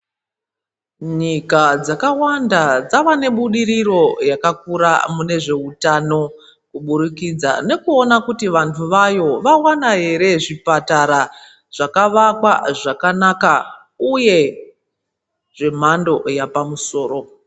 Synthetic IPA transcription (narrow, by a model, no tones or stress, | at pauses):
ɲikad͡zakawandad͡zaʋane̞ɓuɗiɾiro̞jakakuɾa̰mune̞ʐe̞utano̞ | kuɓuɾikid͡za̰ne̞kuo̞nakutiʋantʰuʋajo̞ʋawanaɦe̞ɾe̞ʐipataɾa | ʐ̥akaʋakwaʐakanaka | uje̞ | ʐe̞m̤ando̞japamuso̞ːɾo̞